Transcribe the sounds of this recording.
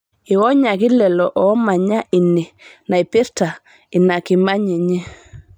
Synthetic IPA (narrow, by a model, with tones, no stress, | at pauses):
i˨wɔ˦ɲa˨ki˦lɛ˨lɔ˨ʔɔ˦ma˨ɲa˦ʔi˨ni˨na˨i˨pi˦ɾta˨ | i˨na˨ki˨ma˦ɲi˨ɲɛ˦